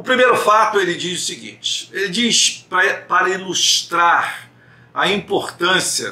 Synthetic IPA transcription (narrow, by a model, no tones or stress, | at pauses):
ʊpɾimejɾʊfat̪ʊelɪd͡ʒizʊsiɡḭ̃t͡ʃɪ̥elɪd͡ʒispɾɐpaɾɐiluʃt̪ɾaɾ | ɐĩmpoɾt̪ɐ̃siɐ̰